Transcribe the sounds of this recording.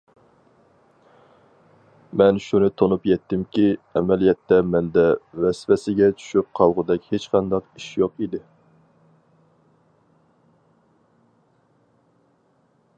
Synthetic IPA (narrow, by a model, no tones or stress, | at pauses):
mɛnʃunɨt̪ʰonupjɛt̪ːɪmkʲiɛmɛlijɛt̪ːɛmɛnd̪ɛvɛsfɛsɪɡʲɛt͡ʃʰy̥ʃyp̚qʰɑwʁʊd̪ɛkʲhet͡ʃqʰɑnd̪ɑqiʃjoqid̪ɪ